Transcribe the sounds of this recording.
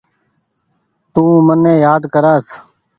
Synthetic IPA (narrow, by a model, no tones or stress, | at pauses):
t̪ũːmənːẽːjaːd̪kəɾaːs